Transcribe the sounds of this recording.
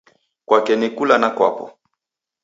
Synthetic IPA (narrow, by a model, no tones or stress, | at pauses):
kwakɛnɛkulanakwa̰pɔ̰